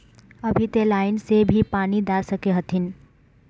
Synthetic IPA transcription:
əbʱit̪elaːɪnsebʱipaːnid̪asəkeɦət̪ʰin

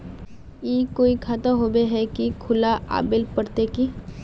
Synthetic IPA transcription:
iːkoːikʰaːt̪aɦoːbeɦɛkikʰʊlaʔa̰ːbɪlpɐɽt̪eki

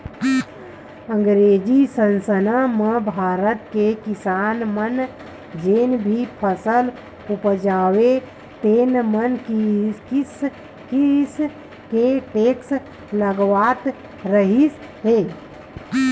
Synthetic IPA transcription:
ə̃ŋɡɾed͡ʒisənsənamebʱaɾət̪kekisanmən | d͡ʒenbʱipʰəsəl | upd͡ʒawe | t̪enmənkkis | kis | keʈeks | ləɡʋat̪ | ɾəɦis | ɦe

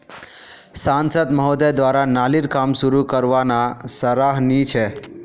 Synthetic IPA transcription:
sãnsəd̪məɦod̪ed̪ʋaɾanaliɾkamsuɾukəɾʋanasəɾaɦnit͡ʃʰɛ

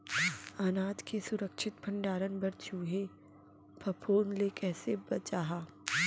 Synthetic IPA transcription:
aːnaːd̪kesʊɾəkʃɪt̪̚pʰɐ̃ɳɖaːɾənbɐɾt͡ʃuːɦe | pʰɐpʰoːnlekɛːsebɐt͡ʃaːɦaː

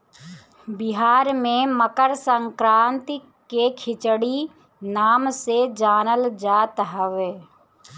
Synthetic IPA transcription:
bɪɦaːɾmẽməkəɾsəŋkɾãːnt̪ | kekʰɪt͡ʃɽi | naːmsed͡ʒaːnəld͡ʒaːt̪ɦəʋeː

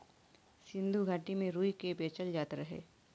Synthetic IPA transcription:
sɪ̃nd̪ʱuɡʱaːʈimẽɾuːikebeːt͡ʃəld͡ʒaːt̪ɾɐɦḛː

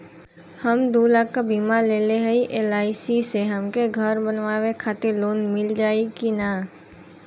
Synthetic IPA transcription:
həmd̪uːlakːabiːmaleːleɦɛiʔeːlaːɪsiseɦəmkeɡʱəɾbənʋaːwekʰaːt̪ɪɾloːnmɪld͡ʒaːekinaː

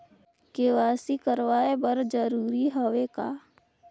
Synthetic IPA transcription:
keʋaːsikəɾʋaːebəɾd͡ʒəɾuːɾiɦoʋekaː

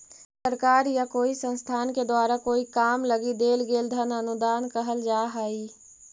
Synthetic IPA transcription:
səɾkaːɾjakoːisə̃nst̪ʰaːnked̪waːɾakoːikaːmləɡid̪eːlɡeːld̪ʱənənʊd̪aːnkəɦəld͡ʒaːɦaːiː

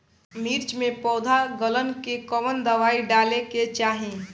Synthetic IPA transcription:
miːɾt͡ʃmẽpɔːd̪ʱaɡələnkekɔʋənd̪əʋaːiɖaːleket͡ʃaːɦẽː

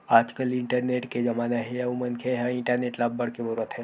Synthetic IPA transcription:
aːd͡ʒkəlɪ̃ɳʈəɾneːʈked͡ʒɐmaːnaɦejaumənkʰeɦɐɪ̃ɳʈəɾneːʈlabːɐɽ̤kebuɾuət̪ɦɛ̃ː

